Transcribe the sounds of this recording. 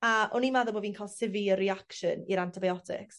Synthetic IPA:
aʔɔnimaðɔboːviːnkʰalˠsɪviəriakʃə̰niɾantʰɪbajɔtʰɪ̰ks

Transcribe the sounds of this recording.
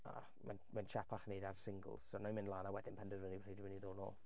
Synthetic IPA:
a̰ | mɛ̰nmɛnt͡ʃʰapʰaχnejdarsɪŋɡə̰lˠz̥sɔnamɪ̃nlˠaːnawɛdɪnpʰəndərvənir̥ejdiməniðoːnɔ̰ːlˠ

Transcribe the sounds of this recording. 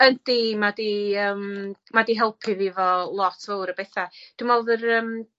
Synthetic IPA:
ənd̥imadiəːmmadiɦɛlˠpʰɨðivɔlˠɔtʰvəwɾəbeθad̥umɔlˠðərəm

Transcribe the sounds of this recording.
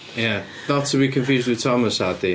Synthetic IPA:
jæ | nətʰːəbikʰə̃ɱfjʉːzd̚wɪð̥tʰɑməsat̪i

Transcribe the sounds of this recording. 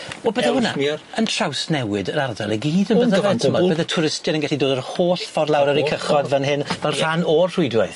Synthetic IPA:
wɛlˠbəðaʊna̰əntʰr̥awsnɛwɨdəɾardaləɡiːdənbəðəvɛtʰəmɔbəðətʰʊɾɪstɨɾənɡɛɬidoːdərhoːɬfɔrlˠawɾəɾikʰəχɔdvanɦɪnvɛlˠr̥anɔrr̥ʊɨdwɪθ

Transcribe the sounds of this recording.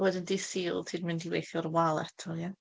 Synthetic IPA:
wɛdɪndisiːlˠtʰiːdmɪndiwḛjθjɔɾwalˠɛtʰɔja

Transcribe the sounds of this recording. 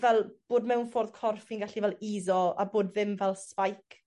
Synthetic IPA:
vɛlˠb̥oːdmɛwnfoːrðkʰɔrfinɡaɬivɛlˠiːðɔaboːdvɪmvɛlˠspajkʰ

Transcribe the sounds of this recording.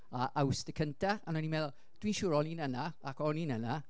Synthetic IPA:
aʔawsd̥əkʰəntʰaanɔnimɛðlˠ | d̥wiːnʃʊːɾɔniːnənaakɔninəna

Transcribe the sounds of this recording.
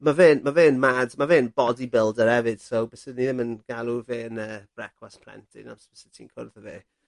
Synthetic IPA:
maveːnmaveːnmadmaveːnbɔdibɪlˠdəɾɛvɨd̥sobɛsɪdniðɪmənɡ̥alˠuveːnə̥ːrɛkʰwaspʰl̥ˠɛ̰ntʰḭna̰sb̥ɛsɪtʰiːnkʰʊ̰rðəveː

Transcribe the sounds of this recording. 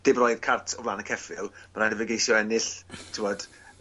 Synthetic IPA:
d̥ɪbrɔjd̥kʰartʰɔvlˠaːnəkʰɛfɪlˠmanadɪvəɡejsjɔɛnɪɬtʰɪwɔd̥

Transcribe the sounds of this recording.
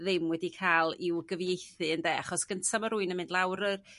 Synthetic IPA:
ðɪmwɛdikʰaːlˠɪwɡəvjejθɨəndɛːaχɔsɡ̥əntʰamɔɾuːɨnəmɪndˡlˠawɾər

